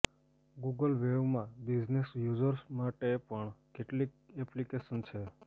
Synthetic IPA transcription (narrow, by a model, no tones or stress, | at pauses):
ɡuɡəlʋeʋmãbid͡ʒnesjud͡ʒəɾsmaʈepəɳkeʈlik̚ɛplikeʃənt͡ʃʰe